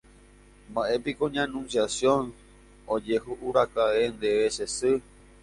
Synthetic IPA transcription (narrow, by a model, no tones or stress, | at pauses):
mbaʔe̞pikoɲãnũnsjasjõn | od͡ʒe̞ɦuʔuɾakaʋe̞nd̪e̞ʋe̞ʃesɨ